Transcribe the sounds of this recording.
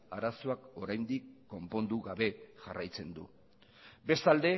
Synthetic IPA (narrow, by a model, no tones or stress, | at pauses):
aɾasoako̞ɾajnd̪ikːo̞mpo̞nd̪uɣaβe̞ʝarajt͡se̞nd̪ṵ | be̞st̪ald̪e̞